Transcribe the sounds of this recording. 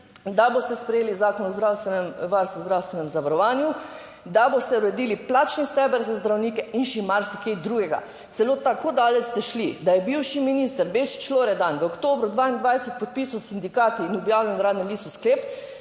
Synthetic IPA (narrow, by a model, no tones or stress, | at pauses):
d̪abost̪ɛspɾɛjeːlizaːkɔnɔzd̪ɾawst̪ɛnɛmʋaɾst̪ʋuzd̪ɾawst̪ʋɛnɛmzaʋaɾɔʋaːnju | d̪abost̪ɛuɾɛd̪iːliplaːt͡ʃnist̪ɛbəɾzazd̪ɾawniːkɛinʃimaɾsikejd̪ɾuːɡɛɡa̰ | t̪sɛloːt̪akoːd̪aːlɛt̪sːt̪ɛʃlid̪ajɛbiwʃiminist̪əɾbet͡ʃt͡ʃloːɾɛd̪anʋəokt̪oːbɾud̪ʋaːind̪ʋajsɛt̪̚pɔt̪̚pisɔsind̪ikaːt̪iːnɔbjaːwinɾaːd̪nɛmliːst̪uskleːp